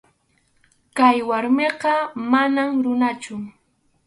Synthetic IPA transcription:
kajwaɾmeɢɑmanamɾʊnat͡ʃʊ

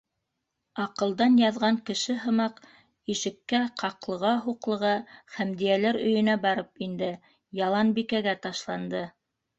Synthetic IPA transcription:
ɑqɤ̆lˠd̪ɑnjɑðʁɑŋkɘ̆ʃɘɦɤ̆mɑq | iʃɘ̆kːæqʰɑqlˠɤ̆ʁɑɦuqlˠɤ̆ʁɑχæmd̪ijælæɾɵ̆jɵ̆næbɑɾɤpind̪ɘ | jɑlˠɑnbikæɡæt̪ɑʃlˠɑnd̪ɤ

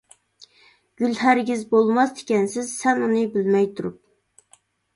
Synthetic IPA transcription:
ɡ̥ʲylhæɾɡʲizbolˠmɑsd̪ɪ̥kʲɛnsɪzsɛnunɨbɪlmɛjt̪ʰuɾup̚

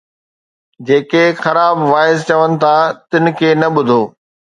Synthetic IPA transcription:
d͡ʑeːkexɐɾaːbʋaːɪzt͡ɕɐʋənɪ̆t̪ʰat̪ɪnɪ̆kʰeːnɐɓʊd̪ʱoː

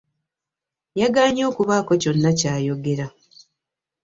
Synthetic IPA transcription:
jaɡaːɲo̞ːkuβaːko̞co̞nːacaːjo̞ɡe̞ɾa

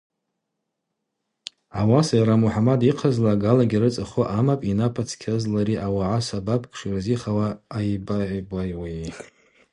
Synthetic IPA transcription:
awasajaɾamuħamadiqʰazlaːɡalaɡʲiɾɨt͡sʼɨχoʔamapʼinapʰʼat͡sʰkʲʰazlaɾiʔawaʕasabapʰkʰʼʂirziχawaːjbaʕbajwa

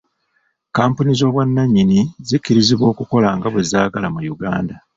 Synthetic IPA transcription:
kaːmpunizo̞ːβwanːaɲːinizicːiɾiziβwo̞ːkuko̞laŋɡaβwezaːɡalamujuɡaːnda

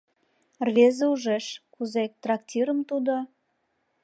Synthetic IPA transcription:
rβezeuʒeʃkuzet̪rɑktʲiɾəmt̪ud̪o

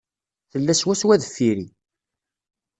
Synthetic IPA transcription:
θəlːæswæswæðəfːiɾi

